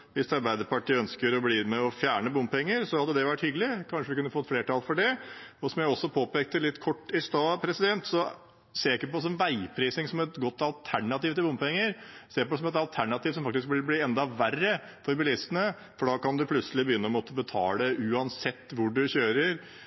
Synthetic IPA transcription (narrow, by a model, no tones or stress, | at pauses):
ʋɪst̪ɑɾbæɪd̪əɾpɑʈiːəœnskəɾɔbliːmɛɔfjæːɳəbʊmpɛŋːəɾsɔhɑd̪ːəd̪ɛʋæʈːhʏɡəlɪkʰɑnʂəʋɪkʉnːəfɔt̪ːfleːʈɑːlfɔɖɛɔsɔmjæɪɔsːɔpʰoːpeːk̚t̪əlɪt̪ːkʰɔʈːɪst̪ɑːpʰɾɛsɪd̪ɛnt̪sɔ | seːɾæɪkːəpɔsɔnʋæɪpʰɾiːsɪŋsɔmɛt̪ɡɔt̪ːɑlt̪ʰæɳɑt̪iːʋt̪ʰɪlbʊmpɛŋːəɾseːɾpɔsɔmɛt̪ɑlt̪ʰæɳɑt̪iːʋsɔmfɑk̚t̪ɪsk̚b̪ɪɾblɪːɛnd̪ɑʋærə | fɔɾbɪlɪst̪ənə | fɔɖɑːkɑnd̪ʉpʰlʉt̪səlɪbəjʏnːəɔmɔːt̪əəbət̪ʰɑ̰ːləʔʉːɑnsɛt̪ːʋʊɖʉçøːɾəɾ